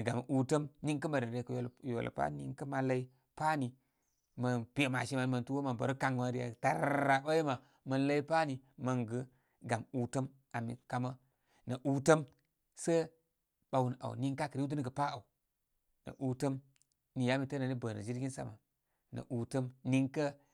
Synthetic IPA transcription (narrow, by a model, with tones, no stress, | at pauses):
nə˨ɡa˨m˨u˨tə˦mni˦ŋkə˦ma˨ɾə˨e˨kjo˨jo̰˨l̰pa̰˦nḭ˦ŋkə˦ma˨la˦i˦ | pa˦ni˨ | mə˨npi˦e˨ma˨ʃi˦ma˨n˦mə˨ntu˦wo˦ma˨bə̰˨ɾu˦ka˨ŋma˨ɾi˦ja̰˨ta̰˨ɾa˨ɓa˦i˦ma˨ | mə˨nla˦i˦pa˦ni˨mə˨ŋɡə˦ | ɡa˨mu˨tə˦m | a˨mḭ˨ka˨ma˦ | nə˨ʔu˦tə˦m | sə˦ | ɓa˨wu˨na̰˨ni˦ŋka˦kə˨ɾi˦du˦˨ɡə˨pa˦a˨u˨ | nə̰˨ʔu˨tə˦m | ni˨ja˦mi˨tə˦nə˨ni˦bə˨nə̰˨d͡ʒi˦ɾɡʲi˦nsa̰˦ma˨ | nə̰˨ʔu˨tə˦mni˦ŋkə˦